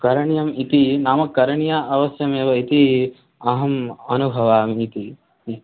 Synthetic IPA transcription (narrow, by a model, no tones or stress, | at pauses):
kɐɾɐɳjɐmit̪inaːmɐkːɐɾɐɳjaːʔɐʋɐsjɐmeːʋɐit̪i | ɐɦɐmɐnubʱɐʋaːmit̪i